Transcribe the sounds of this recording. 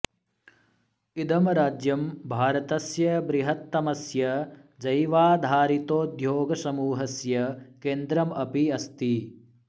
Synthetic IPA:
id̪ɐmɐɾaːd͡ʒjɐmbʱaːɾɐt̪ɐsjɐbɾiɦɐt̪ːɐmɐsjɐd͡ʒɐjʋaːd̪ʱaːɾit̪oːd̪ʱjoːɡɐsɐmuːɦɐsjɐkeːnd̪ɾɐmɐpiɐst̪i

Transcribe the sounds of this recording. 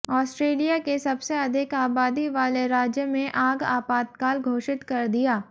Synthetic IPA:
ɔːsʈɾeːlijakesɐbseɐd̪ʱɪkaːbaːd̪iʋaːleɾaːd͡ʒjəmẽʔaːɡa̰ːpaːt̪̚kaːlɡʱoːʃɪt̪kɐɾd̪ijaː

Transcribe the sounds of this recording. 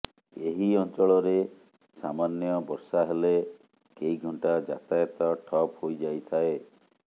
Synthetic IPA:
eɦiɔnt͡ʃɔɭɔɾe | samanjɔbɔɾsaɦele | keiɡʱɔɳʈad͡ʒa̰t̪ajɔt̪ɔʈʰɔphojd͡ʒajt̪ʰae

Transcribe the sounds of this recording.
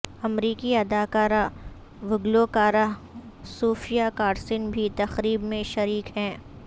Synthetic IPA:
ɐmɾiːkiɐd̪aːkaːɾa | ʋʊɡlokaːɾa | suːfijakaːɾsɪnbʱit̪ɐxɾiːbmẽʃɐɾiːkɦɛ̃ː

